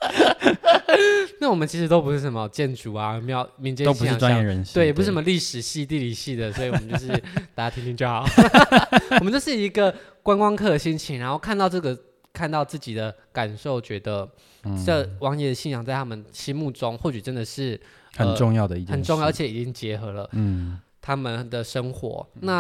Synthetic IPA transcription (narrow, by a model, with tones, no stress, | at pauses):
na˥˩wɔ˨˩mə˦nt͡ɕʰi˧˥ʂɻ̩˧˥t̪o˥ʊp̬u˧˥ʂɻ̩˥˩ʂə˧˩mə˧˩t͡ɕjɛ˥˧˩nʈ͡ʂu˨˩a˨˧me˧˥jo˨˩ʊmi˧˦ŋt͡ɕjɛ˥˧o˥u˧ʂ̩˥˨˥wa˦jɛ˥˩ɻə˧˦nwe˥˩˨jpu˧˥˩ʂm˧li˥˩ʂɻ̩˨˩ɕi˥˧t̪i˥˧˨li˨˩ɕi˥˩d̪ə˩swɔ˧˥˩i˨˧˥mə˦˥t͡ɕo˥˧ʂɻ̩˥˩t̪a˥˩t͡ɕja˥t̪ʰi˧ŋnt̪ʰi˥ŋt͡ɕjo˥˩ʊxɑ˨˩˦ʊ˦ | wmə˦t͡ɕjo˥˧ʊʂɻ̩˥˩i˧˥ɡə˨kwa˥nkwɑ˥ŋkʰɤ˥˩d̪ə˩ɕi˥nt͡ɕʰi˧˥ŋɻa˧˥nxo˥˧ʊkʰa˥˧nt̪ɑ˥˧ʊʈ͡ʂɤ˥˩ɡə˩ | kʰa˥˧nt̪ɑ˥˧ʊt͡sɹ̩˥˩t͡ɕi˨˩d̪ə˦ | ka˨˩nʂo˥˩ʊt͡ɕɥɛ˧˥d̪ə˧ | ə˥˩wɑ˧˥ŋjɛ˧˩d̪ə˩ɕi˥˩jɑ˨˩ŋt͡sa˥˩ɪt̪ʰa˥mə˨nɕi˥mu˥˧˩ʈ͡ʂʊ˥˦ŋxwɔ˥˩t͡ɕy˨˩ʈ͡ʂə˦nd̪ə˨ʂɻ̩˥˩ | hə˨ə˧nʈ͡ʂʊ˥˧ŋjɑ˥˩ʊd̪ə˩i˥˩ə˨˩nʈ͡ʂʊ˥˧ŋjɑ˥˩əː˧˥t͡ɕʰɛ˧˥i˨˩t͡ɕi˥ŋt͡ɕjɛ˧˦xɤ˧˥lə˧˥˩ | t̪ʰa˥mə˨nd̪ə˩ʂə˥ŋxwɔ̰˧˥˦na˥˩